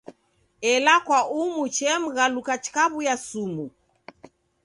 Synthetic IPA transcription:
ɛlakwaumut͡ʃɛm̩ɣalukat͡ʃkaβujasumu

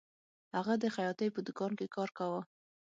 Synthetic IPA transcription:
haɣad̪əxajɑt̪əjpəd̪ʊkɑnkekɑɾkawə

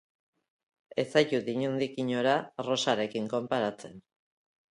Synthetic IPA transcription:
e̞sajtut̪iɲund̪ikiɲo̞ɾaro̞saɾe̞kiŋko̞mpaɾat͡se̞n

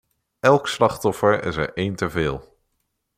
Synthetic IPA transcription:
ɛlˠkslɑχtɔfəɹɪ̰səɹʔejntəvɪːlˠ

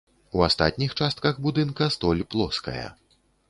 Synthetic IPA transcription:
uast̪a̰t̪ʲnʲixt͡ʂast̪̚kɐɣbud̪ɨnkɐst̪ɔlʲplˠɔskɐ̰jɐ̰

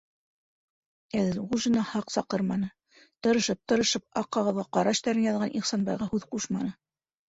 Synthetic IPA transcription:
ælɘɾʁuʒɤ̆nɑhɑqsɑqɤɾmɑnɤ | t̪ɤ̆ɾɤ̆ʃɤp̚t̪ɤ̆ɾɤ̆ʃɤp̚ɑqːɑʁɤ̆ðʁɑqɑɾɑʃt̪æɾɘnjɑðʁɑnʔiχsɑnbɑjʁɑhʉðquʃmɑnɤ

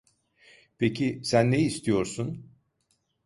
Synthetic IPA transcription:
pʰecʰisænːeist̪ʰijo̞ɾsun

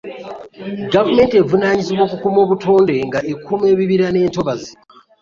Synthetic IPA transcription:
ɡavume̞ːnte̞vunaɲiziβwo̞kukumo̞ːβutʰoːnde̞ŋɡaʔekʰume̞ːβiβiɾane̞ːnto̞βazi

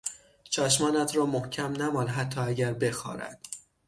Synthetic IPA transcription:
t͡ʃʰɒːʃmɒːnæt̪ʰɾɒːmohcʰæmnæmɒːnɦæt̪ʰːɒːæɟæɾbe̞xɒ̰ːɾæ̰d̪̥

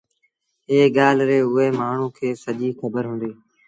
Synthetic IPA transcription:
eːɠaːlɾeːʊeːmaːɳ̤ũːkʰeːsəʄiːxəbəɾɦʊ̃ːnd̪iː

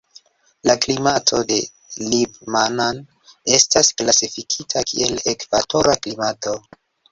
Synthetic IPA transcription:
laklimatʰo̞de̞ | libmanan | e̞stasklasifikʰitʰakʰḭe̞le̞kvato̞ɾaklimato̞

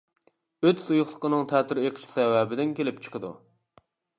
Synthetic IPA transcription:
øt̪sujʊχlˠə̥qʰənɨŋt̪ʰɛt̪ʰyɾeqʰʃsɛwɛbɪd̪ɪnkʲelɪp̚t͡ʃʰə̥qəd̪ṵ

